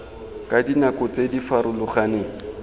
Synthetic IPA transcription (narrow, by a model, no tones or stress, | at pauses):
kʼadinakʊt͡sedifaɾʊlʊχaneːŋ̩